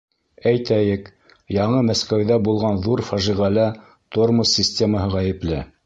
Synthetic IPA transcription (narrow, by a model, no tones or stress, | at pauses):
æjt̪æjɘk | jɑɴɤmæskæwðæbulˠʁɑnðuɾfɑʒiʁælæ | t̪oɾmosʲːisʲtʲeməɦɤʁæjɘ̆plɘ